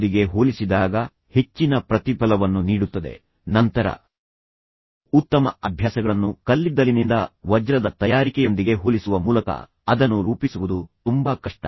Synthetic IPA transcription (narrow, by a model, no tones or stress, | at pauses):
d̪iɡe̞ɦoːlisid̪aːɡɐ | he̞t͡ʃːinɐpɾɐt̪ipɐlɐʋɐnːuniːɽut̪ːɐd̪e̞̰ | nɐnt̪ɐɾɐ̰ | ut̪ːɐmɐɐbʱjaːsɐɡɐɭɐnːukɐlːid̪ɐlinind̪ɐʋɐd͡ʒɾɐd̪ɐt̪ɐjaːɾikɛjo̞nd̪iɡe̞ɦoːlisuʋɐmuːlɐkɐ̰ | ɐd̪ɐnːuɾuːpisuʋud̪ut̪umbɐkɐʂʈɐ̰